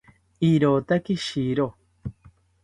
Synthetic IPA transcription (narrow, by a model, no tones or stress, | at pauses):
iɾot̪akiʃiɾo